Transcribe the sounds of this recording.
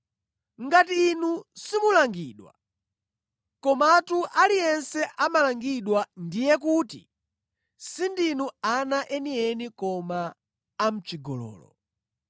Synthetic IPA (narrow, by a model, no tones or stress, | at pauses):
ŋɡatiːnusimulaŋɡiːɗwa̰ | kɔmaatuʔalijɛnsɛʔamalaŋɡiɗwandijɛk̬utḭ | sindinuanaʔɛniɛnikɔmaː | m̩t͡ʃiɡɔlɔ̰ːlɔ̰